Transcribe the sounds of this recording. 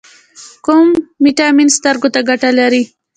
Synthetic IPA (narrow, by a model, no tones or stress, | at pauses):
kʊmːiʈaminst̪aɾɡot̪aɡaʈalaɾi